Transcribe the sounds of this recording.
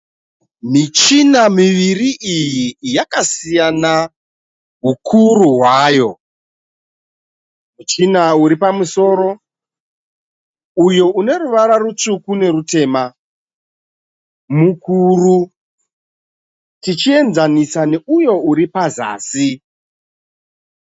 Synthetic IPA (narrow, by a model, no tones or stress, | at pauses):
mit͡ʃinamiʋiriʔijijakasijana | ɦukʰuruɦwaːjo̞ | mit͡ʃinauɾipamuso̞ːɾo̞ | ujo̞ʔune̞ruʋaɾarut͡ʂukune̞rute̞ːma | mukuːru | tit͡ʃie̞nd͡zanisaneujo̞uɾipaza̰ːsi